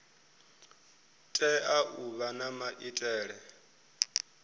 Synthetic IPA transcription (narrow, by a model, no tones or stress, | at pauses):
tʼɛʔaʔuβanamaʔitʼɛːɺɛ